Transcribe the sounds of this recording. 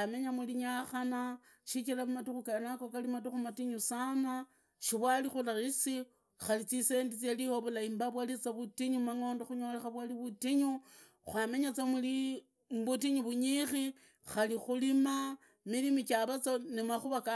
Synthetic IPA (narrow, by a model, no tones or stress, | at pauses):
ameɲamuliɲaxana | ʃit͡ʃilaβumatuxukanakokalimatuxumatiɲusana | ʃiβwalixulaɣisi | xalit͡sise̞ndit͡selihoβulaimbaβwalit͡saβutiɲumaŋo̞ːndoxuɲolexaβwaliβutiɲu | xwame̞ɲat͡samuli | mβut̬iɲuβuɲixi | xalixulima | milimit͡ʃaβat͡sonimaxuβaka